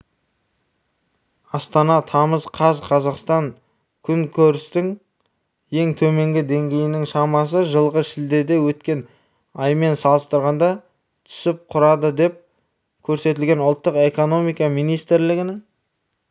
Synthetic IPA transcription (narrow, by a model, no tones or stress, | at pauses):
ɑst̪ɑnɑt̪ʰɑməzqʰɑzqʰɑzɑqst̪ɑŋ | kʲʰʏŋkʲʰɵɾɪst̪ɪŋ | je̞ŋt̪ʰɵme̞ŋɡʲɪd̪e̞ŋɡʲe̞jɪnɪŋʃɑmɑs̬əʒəlˠʁəʃɪld̪e̞d̪e̞wɵt̪kʲe̞n | ɑjme̞nsɑlˠəst̪əɾʁɑnd̪ɑ | t̪ʰʏ̥sɪp̚qʰʊɾɑd̪əd̪e̞p̚ | kʲʰɵɾse̞t̪ɪlɡʲe̞nʊlˠt̪ːəqe̞ko̞no̞mijkɑmijnijst̪ɾlɪɡʲɪnɪŋ